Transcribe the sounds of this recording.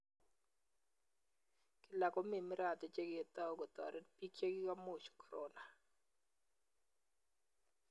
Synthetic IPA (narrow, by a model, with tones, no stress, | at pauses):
kɪ˨la˨kɔ˦mi˦˨mɪ˦ɾa˨t̪e˨t͡ʃe˦ɡɪ˨e˨t̪a˦o˦ɡɔ˨t̪ɔ̰˨ɾɛ˦pi˦ke˦ɡɪ˦ka˦mo˦˨t͡ʃkɔ̥˨ɾɔ˦na˨